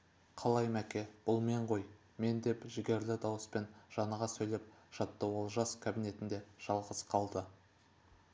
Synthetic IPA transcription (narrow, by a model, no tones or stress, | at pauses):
qʰɑlˠɑjmækʲe̞b̥ʊlˠme̞ɴʁo̞j | me̞nd̪e̞pʒɪɡʲe̞ɾlɪd̪ɑwəspe̞nʒ̥ɑnɑʁɑsɵjle̞p̚ʒ̥ɑt̪ːəwo̞lˠʒɑskʲʰabine̞t̪ɪnd̪e̞ʒ̥ɑlˠʁəsqʰɑlˠd̪ə